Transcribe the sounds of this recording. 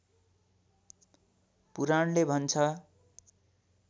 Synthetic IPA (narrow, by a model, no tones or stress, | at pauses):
puɾanlebʱʌnt͡sʰʌ